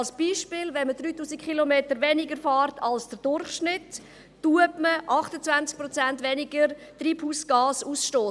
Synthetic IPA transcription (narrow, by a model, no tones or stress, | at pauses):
lsb̥iːʃpɪlvɛnməd̥ɾyːtuːsikχilomeːtəɾʋɛnɪɡəɾfɑːrtʰɑlsd̥əɾd̥ʊrχʃnɪtː | uəpməʔɑχtət͡svænt͡sk̚pɾɔt͡sæntʋɛnɪɡəɾtriːphuːsɡ̥ɑːsuːsʃtoː